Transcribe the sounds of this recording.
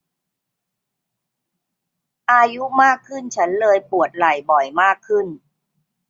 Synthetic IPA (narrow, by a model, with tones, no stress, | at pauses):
ʔaː˧ju˦˥maː˥˩kʰːɯ˥˩nt͡ɕʰa˦˥nlɤː˧jpu˨˩ət̪̚la˨˩jbɔ˨˩jmaː˥˩kʰːɯ˥˩n